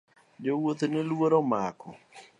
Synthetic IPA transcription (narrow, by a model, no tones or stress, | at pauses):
d͡ʒowot̪nɪlwoɾomakɔ̰